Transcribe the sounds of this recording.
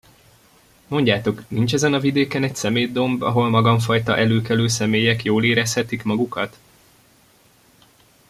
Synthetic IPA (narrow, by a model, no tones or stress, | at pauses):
mo̞ɲɟaːt̪o̞knint͡ʃɛzɛnɒvid̪eːkɛnɛcsɛmeːd̪o̞mbɒ̰ɦo̞lmɒɡɒɱfɒjt̪ɒʔɛløːkɛløːsɛmeːjɛkjoːleːɾɛshɛt̪ikmɒɡukɒt̪